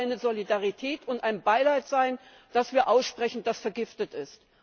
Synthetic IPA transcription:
ɪnəzolidaʁitʰɛːtʰʊntʔaɪnbaɪlaɪtz̥aɪn | d̥asv̥iːɐʔaʊsʃpʁ̥ɛçn̩d̥asfɛɐɡɪftətɪst

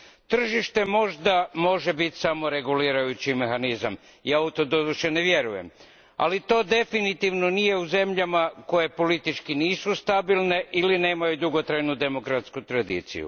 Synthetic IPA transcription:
t̪r̩ʒiʃt̪e̞mo̞ʒd̪amo̞ʒe̞bit̪samo̞ɾe̞ɡuliːɾajut͡ɕime̞xanizam | jaːut̪od̪od̪uʃene̞ʋje̞ɾuje̞̰m | a̰lit̪o̞ːd̪e̞finit̪iʋno̞nije̞uze̞mʎamako̞je̞po̞lit̪it͡ʃkiniːsust̪abilˠne̞ʔiline̞ːmajud̪uɡo̞t̪ɾajnud̪e̞mo̞kɾat̪skut̪ɾad̪ḭːt̪sḭjṵ

